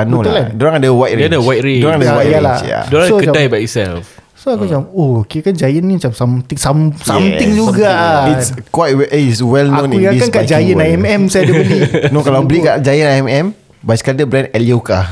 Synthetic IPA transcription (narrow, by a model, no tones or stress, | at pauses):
anõlladoɾaŋadəwajtɾedəwajtɾeoɾaŋadawajalat͡ʃja̰doɾaokəd͡ʒadajbaisɛ̰lf | soaud͡ʒamohokekand͡ʒajənːĩmat͡ʃamsamt̪ɪŋsamsamt̪ɪŋd͡ʒuɡaiskwajtwɛʔiswɛlnõnĩujãikankad͡ʒajənajɛmɛmsajadəbəlinõkalabəlikaʔd͡ʒajənaɛmɛm | bajskaləbɾɛnɛliokah